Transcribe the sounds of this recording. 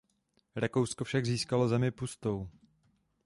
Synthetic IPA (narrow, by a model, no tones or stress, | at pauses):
ɾakowskofʃaɡziːskalo̞zɛmɪpust̪ow